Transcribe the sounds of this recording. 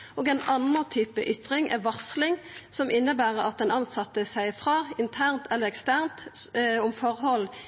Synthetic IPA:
ʔoːɡɛɪnɑnət̪ʰyːpə̰ʔʏt̪ʁɪŋʔɛ̰ʋɑʁslɪŋsɔmʔɪnːəbæːʁəɾɑt̪̚d̪ɛnɑnsɑt̪əsæɪfʁɑːɪnt̪ʰæʁnt̪ʰɛlːəʁɛkst̪æʁnt̪ʊmfɔʁhɔlː

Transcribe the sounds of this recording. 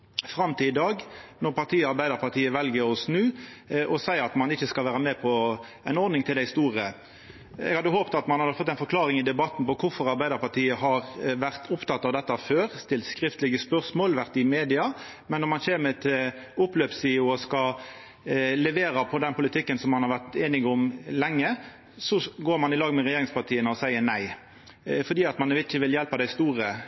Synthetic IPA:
fɾɑmt̪ʰiːd̪ɑːɡnɔʁpɑʁt̪ʰiːɑɾbæɪd̪əɾpɑʁt̪ʰiːəʋɛlɡəɾɔsnʉː | ʔɔsæɪɾɑt̪mɑnɪçːəskɑlʋæːʁəmɛpʰɔ | ænɔɾd̪nɪŋt̪ʰɪld̪æɪst̪uːʁə | ɛ̰ɡhɑd̪əhoːpt̪ɑt̪mɑnhɑfɔt̪ːæɪnfɔɾkʰlɑːʁɪŋɪd̪ɛbɑt̪ːn̩pɔkʰʊfɔɾɑɾbæɪd̪əɾpɑʁʈ̪ʰiːəɦɑʁʋæʁt̪ʰʊpt̪ɑt̪ːɑʋd̪ɛt̪ːəɑføːʁst̪ɪlt̪skʁɪft̪əlɪɡəspœʁsmoːlʋæʁt̪ɪmeːd̪ɪɑ | mɛnːɔmɑnçeːɾmət̪ʰɪ | ʊpløːpsiːʊɔskɑ | lɛʋeːɾɑpʰɔd̪ɛnpʊlɪt̪ʰɪkːənsɔmːɑnhɑɾʋæʁt̪eːnɪɡʊmlɛŋːə | sɔɡoːɾmɑnɪlɑːɡmɛʁɛɪjeːɾɪŋspɑt̪ʰiːənəɔsæɪəɾnæɪ | fɔɖ̪iːɑt̪mɑnɛɪçəʋɪljɛlpɑd̪æɪst̪uːɾə

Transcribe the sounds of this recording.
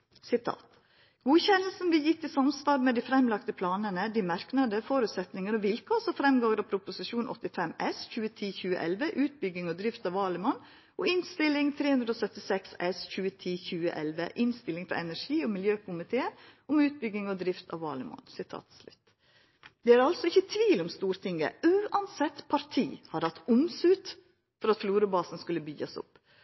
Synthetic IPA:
sɪt̪ʰɑ̰ːt̪ | ɡ̥uːçɛnəl̩sn̩bliːjɪt̪ːɪsɑmsʋɑːɾmɛd̪iːfɾɛmlɑkt̪əpʰlɑːnənəd̪iːmɑɾknɑd̪əfoːɾʉːt̪sɛt̪nɪŋəɾɔʋɪlkʰoːsɔfɾɛmɡɑəɾɑpʰɾʊpʊsɪʂuːnʔɔ̰t̪ːɪfɛmɛsçʉːət̪ʰiːçʉːə̰ʔɛlʋəʔʉːt̪̚bʏɡːɪŋɔd̪ɾɪft̪ɑʋɑːlɪmɔn | ʔɔɪnst̪ɪlɪŋt̪ʰɾeːhʉnd̪ɾəoːsœt̪ɪsɛksɛsçʉːət̪ʰiːçʉːə̰ʔɛlʋəʔɪnst̪ɪlːɪŋfɾɑ̰ɾɛnæʂiːɔmɪljøːkʰʊmɪt̪ʰeːəʊmʉːt̪̚bʏɡɪŋɔd̪ɾɪft̪ʰɑ̰ʋɑ̰ːlɪmɑ̰nsɪt̪ʰɑ̰ːt̪slʉ̰t̪ː | d̪ɛæɾɑlsɔɪçːət̪ʰʋiːlɔmst̪uːɾt̪ʰɪŋə̰ʉːʔɑnsɛt̪ːpʰɑɾt̪ʰḭːhɑɾhɑt̪ːʊmsʉːt̪ | fɔɾɑt̪fluːɾʊbɑːsn̩skʉlːəbyɡɑsʊ̰pː

